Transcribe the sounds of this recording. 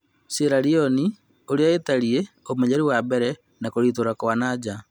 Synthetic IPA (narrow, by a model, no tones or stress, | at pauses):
seɾaɾiɔni | oɾeaetaɾie | omeɲaɾiwabɛɾɛ | nakoɾiːtoɾakoanad͡ʑa